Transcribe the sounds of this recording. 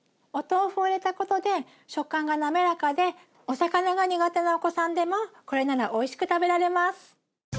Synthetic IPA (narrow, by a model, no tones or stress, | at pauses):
o̞t̪o̞ːɸɯɾe̞t̪ako̞t̪o̞d̪e̞ | ɕo̞kːãŋɡaname̞ɾakad̪e̞ | o̞sakanaɡaɲ̟iɡat̪e̞naoko̞sãnd̪e̞mo̞ko̞ɾe̞naɾaʔo̞iɕi̥kɯ̟t̪abe̞ɾaɾe̞masɨ̥